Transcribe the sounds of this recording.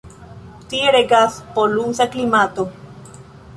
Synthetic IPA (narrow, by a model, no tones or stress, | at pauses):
t̪ieɾeɡaspolusaklimat̪o